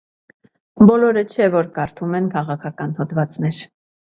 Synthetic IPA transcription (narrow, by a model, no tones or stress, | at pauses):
bɔlɔɾət͡ʃʰɛvɔɾkɑɾt̪ʰumɛnkʰɑʁɑkʰɑkɑnhɔd̪vɑt͡snɛɾ